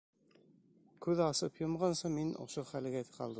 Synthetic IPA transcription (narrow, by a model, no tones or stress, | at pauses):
kʉðɑsɤpjŏmʁɑnsɤminʔo̰ʃoχæl̆ɡæt̪qɑ̰lˠd̪ɤ